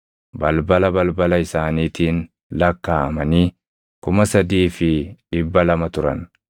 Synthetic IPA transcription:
bɐlbɐlɐbɐlbɐlɐɪsaːniːt̪iːn | lɐkːaːɐmɐniː | kʊmɐsɐd̪iːfɪᶑɪbːɐlɐmɐt̪ʊɾɐ̰n

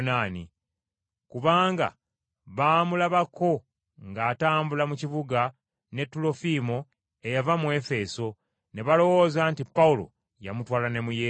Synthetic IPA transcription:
naːnḭ | kuβaːŋɡa̰ | βaːmulaβako̞ | ŋɡaːtaːmbulamuciβuɡa | ne̞tːulo̞fimo̞ | e̞javamue̞fe̞so̞ | ne̞βalo̞wo̞ːzaːntipːaulo̞̰ | ja̰mutwaːlane̞muje

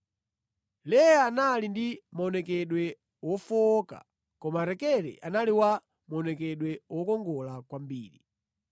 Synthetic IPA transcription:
lɛaanalindimaɔnɛkɛɗwɛ | wɔfɔka̰ | kɔmaɾɛkɛɾɛ̰ʔanaliwa | maɔnɛkɛɗwɛwɔkɔŋɡɔlakwambiːɾi

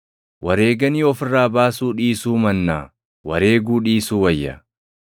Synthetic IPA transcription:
wɐɾeːɡɐniːɔfɪrːaːbaːsuːᶑiːsuːmɐnːa̰ː | wɐɾe̞ːɡuːᶑiːsuːwɐjːɐ̰

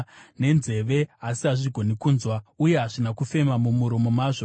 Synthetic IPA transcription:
ne̞nze̞ʋe̞asiɦaʐiɡʱo̞nikuːnzwauje̞ɦaʐinakufe̞mamumuɾomo̞maːʐo

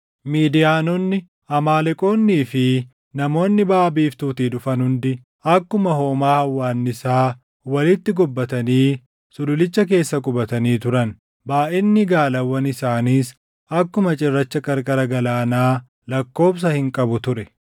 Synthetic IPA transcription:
miːd̪ɪjaːnɔnːɪ | ʔɐmaːlɛkʼo̞ːnːiːfɪ | nɐmo̞ːnːɪbaːbiːft̪uːt̪iːd̪ʊfɐnhʊnd̪ɪ | ɐkːʊmɐho̞ːmaːhɐwːaːnːɪsaː | wɐlɪt̪ːɪɡɔbːɐt̪ɐniː | sʊlʊlɪt͡ʃːɐk̬e̞ːsːɐkʼʊbɐt̪ɐniːt̪ʊɾɐn | baːʔɛnːɪɡaːlɐwːɐnɪsaːniːs | ɐkːʊmɐt͡ʃʼɪrːɐt͡ʃːɐkʼɐɾkʼɐɾɐɡɐlaːnaː | lɐkːo̞ːbs̬ɐhɪŋkʼɐbʊt̪ʊɾɛ

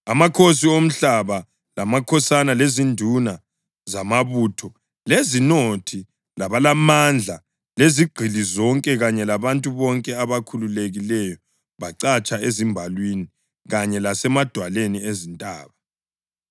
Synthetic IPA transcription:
amakʰos̬iom̩ɬaβa | lamakʰɔsanalezindʱuna | zamaβuːtʰɔ | lezinotʰi | laβalamand͡ɮʱa | leziɡ͡ǃʱilizɔŋkʼɛɣaɲɛlaβantʼuβɔŋkʼɛaβakʰululeɣilɛjɔ | βaǀat͡ʃʼaezimbʱalwini | ɣaɲɛlasɛmad̥ʱwaleniezintʼa̰ːβa

